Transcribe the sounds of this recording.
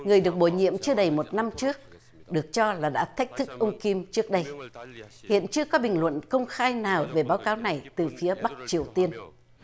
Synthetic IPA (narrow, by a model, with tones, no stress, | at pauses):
ŋɨ˨˩əjɗɨ˨˩ək̚ɓo˧˩jɲḭ˧˨əmt͡ɕɨ˧əɗə˨˩jmo˨˩t̚na˧mt͡ɕɨ˦˥ək̚ | ɗɨ˨˩ək̚t͡ɕɔ˧laː˨˩ɗa̰ː˧˥t̪ʰa˦˥jk̟̚t̪ʰɨ˦˥k̚ʔə˧wŋ͡mki˧mt͡ɕɨ˦˥ək̚ɗə˧j | hḭ˧˨ənt͡ɕɨ˧əkɔ˨˦ɓï˨˩ŋ̟lwə̰˧˨nkə˧wŋ͡mxaː˧jnaː˨˩wve˨˩ɓaː˨˦wkaː˨˦wna˨˩jt̪ɨ˨˩fi˨˦əɓa˦˥k̚t͡ɕi˨˩əwt̪i˧ən